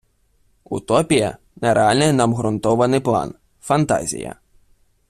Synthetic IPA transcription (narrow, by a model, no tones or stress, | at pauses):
ut̪ɔpʲijɐ̰ | nɛɾeɑlʲnɪjnɑmɦɾʊnt̪ɔʋɐnɪjplˠɑ̰n | fɐnt̪ɑ̰zʲḭjɐ̰